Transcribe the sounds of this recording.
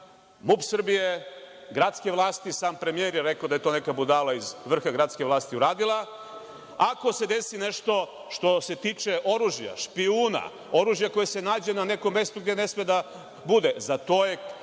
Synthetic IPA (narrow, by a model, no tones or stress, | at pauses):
mupsr̩bijeɡɾat̪skeʋlˠaːst̪isaːmpɾemijeɾjeɾekaod̪aje̞t̪o̞ːnekabud̪alˠaizʋr̩xaɡɾat̪ske̞ʋlˠaːst̪iuɾaːd̪ilˠa | ako̞se̞d̪e̞sine̞ʃt̪o̞ | ʃt̪o̞se̞t̪iːt͡ʃe̞ʔo̞ɾuʒja̰ʃpiuːna̰ | o̞ɾuʒjako̞jese̞naːd͡ʑe̞nane̞ko̞mːe̞st̪uɡd̪ene̞smed̪a | bud̪ezat̪o̞je